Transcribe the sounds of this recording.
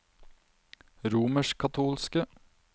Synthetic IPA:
ɾuːməʃkʰɑt̪ʰuːlskə

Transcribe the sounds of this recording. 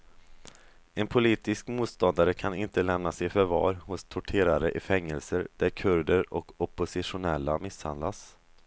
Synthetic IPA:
ɛnpʰʊliːt̪ɪskmuːt̪st̪ɔnd̪aɾəkʰanɪnt̪əlɛmnasɛjfœɾvɑ̰ːɾhʊst̪ʰʊʈʰeːɾaɾəʔɪfɛŋːəlsəɾd̪̥æɾkʰɵɾd̪əɾɔkɔpːʊsɪʂʊnɛlːamɪsha̰nd̪las

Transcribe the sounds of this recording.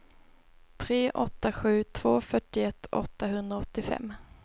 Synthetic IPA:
t̪ʰɾeːʔɔt̪ːaɧʉ̟ːt̪ʰv̥oːfœʈːɪɛt̪ːɔ̰t̪ːaɦɵnd̪ɾaɔt̪ːɪfɛ̰mː

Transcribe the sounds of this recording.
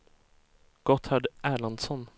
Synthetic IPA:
ɡ̥ɔt̪haɖʔæːɭand̪sɔn

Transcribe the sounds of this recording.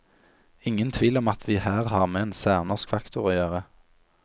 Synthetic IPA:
ɪŋənt̪ʰʋiːlɔmɑt̪ʰʋiːhæːʁhɑːʁmeːeːnsæːʁnɔʁskfɑkt̪ʊʁoːjøːʁə

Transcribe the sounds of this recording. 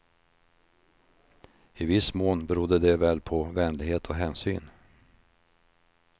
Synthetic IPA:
ɪvɪsmoːnbɛɾʊd̪ːəd̪ɛvɛlpʰɔvɛnlɪɡheːt̪ʰɔɦɛːnsy̰ːn

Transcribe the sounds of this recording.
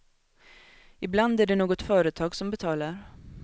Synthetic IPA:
ɪbland̪æɖɛnoːɡɔt̪fœːɾət̪ʰɑːɡsɔmbɛt̪ʰɑːlaɾ

